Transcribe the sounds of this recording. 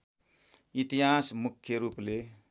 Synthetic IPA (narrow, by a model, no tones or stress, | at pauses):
it̪iɦasmukʰːjʌɾuple